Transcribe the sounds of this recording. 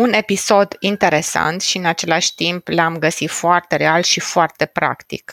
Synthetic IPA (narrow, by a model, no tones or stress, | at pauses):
une̞piso̞d̪int̪e̞ɾe̞sa̰nt̪ʃiɨnat͡ʃe̞laʃʲt̪implamɡəsit̪foart̪e̞ɾealʃifoart̪e̞pɾa̰kt̪ḭk